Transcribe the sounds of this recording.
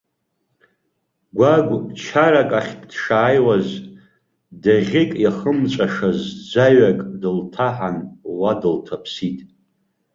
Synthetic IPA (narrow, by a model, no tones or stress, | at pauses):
ɡʷaɡʷt͡ʃʰaɾakʼaχʲddʂaːjwaz | daʁʲɪkʼjaχəmt͡ʃʷʼaʂazd͡zʷaɥakʼdɨltʰaħanwadɨltʰapʰsitʼ